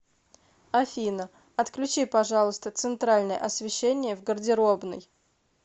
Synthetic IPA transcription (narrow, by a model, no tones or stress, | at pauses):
ɐfʲinə | ɐt̪klʲʉt͡ɕipɐʐɑlˠəst̪ət̪sɨnt̪ɾalʲnəjə̰ʔɐsʲvʲɪɕːenʲɪjəvɡərdʲɪɾo̞bnə̰j